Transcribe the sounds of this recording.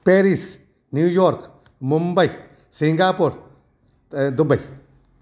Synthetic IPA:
peɾis | njujoɾk | mombaj | siŋɡapoɾ | d̪ubaj

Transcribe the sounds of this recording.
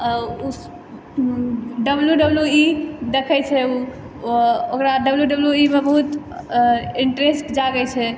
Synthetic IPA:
u | ɖəbljuɖəbljuid̪ekʰɛt͡ʃʰɛu | okɾaɖəbljuɖəbljuimebəɦut̪ | iɳʈɾesʈd͡ʒaɡɛt͡ʃʰɛ

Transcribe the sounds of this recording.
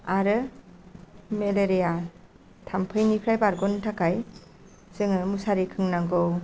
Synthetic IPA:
aɾɯ | meleɾija | tʰampʰɯjnipʰɾajbaɾɡɔntʰakʰaj | z̥ɯŋɯmusaɾikʰɯŋnaŋɡɯw

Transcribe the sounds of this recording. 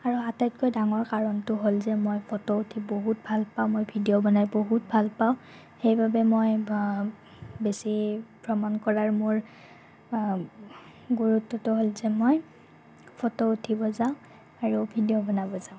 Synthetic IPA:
aɹuatajt̚kojdaŋɔɹkaɹɔntʊɦolzɛmojpʰɔtɔutʰiboɦut̚bʱalpaʊ̃mojbʱidiobɔnajboɦut̚bʱalpaʊ̃ | xejbabɛmoj | besipɹɔmankɔɹaɹmʊɹ | ɡuɹutːɔtʊɦolzɛmoj | pʰɔtɔutʰibɔzaʊ̃ | aɹubʱidijobɔnabɔzaʊ̃

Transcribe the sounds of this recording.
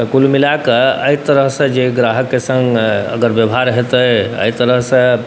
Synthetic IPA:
t̪əkulmilakəə̰jt̪əɾəɦsẽd͡ʒeɡɾaɦəkːesə̃ŋɡə̰ɡəɾbjəbʱɦaɾɦet̪əə̰it̪əɾəɦsə̃

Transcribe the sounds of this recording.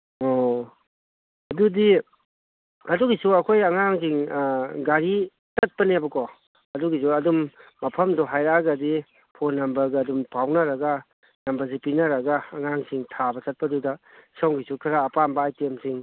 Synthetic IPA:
o | ɐdudi | ɐduɡisuɐkʰojɐŋaŋsiŋɡaɾi | tɐt̚pɐnebɐkɔ | ɐduɡis̬uɐdumː | ɐpʰɐmdɔɦajɾaɡɐdi | pʰonːɐmbɐɾɡɐɐdumpʰawnɐɾɐɡɐ | nɐmbɐɾzipinɐɾɐɡɐːŋaŋsiŋtʰabɐtɐt̚pɐdudɐsawɡisukʰiɾaːpambaajtemsiŋ

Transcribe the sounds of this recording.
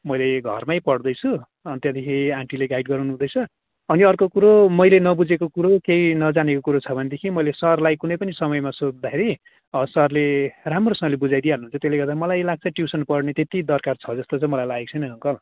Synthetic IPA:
mʌjleɡʱʌ̰rmajpʌɽd̪ʌjt͡sʰu | ʌnt̪jad̪ikʰiãŋʈileɡajɖ̚ɡʌɾnuɦũd̪ʌjt͡sʰʌ | ʌniʌrkokuɾomʌjlenʌbud͡zekokuɾokejnʌd͡zanekokuɾot͡sʰʌbʱʌned̪ekʰimʌjlesʌrlajkunʌjpʌnisʌmʌjmasod͡zd̪aeɾi | ʌsʌrleramrosʌmʌlebud͡zajd̪ijaɦnuɦunt͡sʰʌt̪eleɡʌrd̪amʌlajlaɡ̚t͡sʰʌʈjusʌnpʌɽnet̪et̪id̪ʌrkart͡sʰʌd͡zʌst̪ot͡sʌ̃j̃mʌlajlaek̚t͡sʰʌjnʌɦuŋkʌl

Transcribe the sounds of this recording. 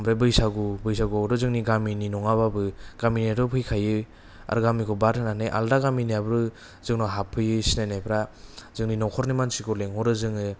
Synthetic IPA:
mbɾebɯjsaɡubɯjsaɡuɾɔzɯŋniɡamininɔŋaβabɯɡ̥aminaɾɔpʰɯjkʰajɯ | a̰ɾɡamikʰɔbatʰɯnanajʔa̰ldaɡaminijabɯɾɯ | zɯŋnɔɦapʰːɯjɯsinanajpʰɾazɯŋninɔkʰɔɾnimansikʰɔleŋɦɔɾɯzɯŋɯ

